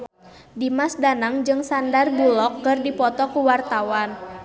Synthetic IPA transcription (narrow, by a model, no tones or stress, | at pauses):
dimasdanaŋd͡ʒɨŋsandarbulɔkːɨrdipɔt̪ɔkuwart̪awan